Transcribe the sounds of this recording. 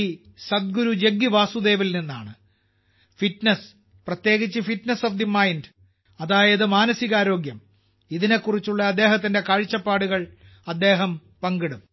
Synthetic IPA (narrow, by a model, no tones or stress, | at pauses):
sɐd̪̚ɡuɾud͡ʑe̞ɡːiʋaːsud̪e̞ːʋilninːaːɳɨ | fitnɐs | prɐt̪je̞ːɣit͡ɕːɨfitnɐsofd̪imɐjnd | ɐðaːjɐðɨmaːnɐsiɣaːɾo̞ːɡjɐm | iðine̞kːurit͡ɕːuɭːɐːd̪ːe̞ːɦɐt̪̬ːinde̞kaːɻt͡ɕːɐpːaːɽuɣɐɭ | ɐd̪ːe̞ːɦɐm | pɐŋɡiɽum